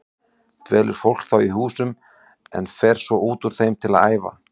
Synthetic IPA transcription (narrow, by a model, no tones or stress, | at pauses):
t̪vɛːlʏɾ̥fowl̥kθawiɦuːsʏm | ɛ̰nfɛɾ̥svɔʔuːt̪uɾ̥θejmt̪ʰɪlaða̰ːjva̰